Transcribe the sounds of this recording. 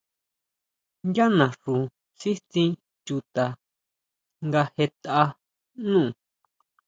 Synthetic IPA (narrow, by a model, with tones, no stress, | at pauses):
ja˦nã˨ʂũ˨ | si˦t̪ĩ˧ | t͡ʃu˧t̪a˨ | ŋɡa˧he˧t̪a˧ | nũ˦˨